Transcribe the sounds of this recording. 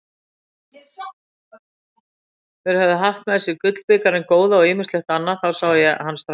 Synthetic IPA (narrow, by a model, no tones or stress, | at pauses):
θɛɾ̥havðɪɦaht̪mɛðsɪkʏt̪l̥pɪkaɾɪnkoːwðaɔɣɪːmɪnslɛxt̪anːaθawsaːwðɪjɛahans